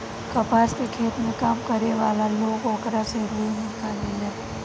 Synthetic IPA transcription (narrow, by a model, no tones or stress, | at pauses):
kɐpaːskekʰeːt̪mẽkaːmkɐɾeʋaːlaloːɡoːkɾaseɾuːnɪkaːlẽlɛː